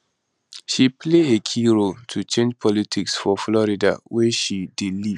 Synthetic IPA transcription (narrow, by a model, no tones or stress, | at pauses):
ʃipʰleekʰiɹoltʰut͡ʃẽnd͡ʒpʰɔlitʰiksfɔflɔɹida̰wɛʃidiliv